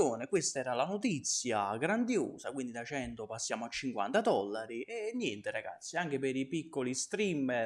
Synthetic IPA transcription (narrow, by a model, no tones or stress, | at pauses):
oːnekwest̪aɛːɾalanot̪it̪sːjaɡɾand̪jo̰ːzakwind̪id̪at͡ʃɛnt̪opasːjaːmoat͡ʃːiŋkwa̰nt̪ad̪ɔlːaɾiɛnːjɛnt̪eɾaɡa̰t̪sːiaŋk̟epeɾipikːolist̪ɾim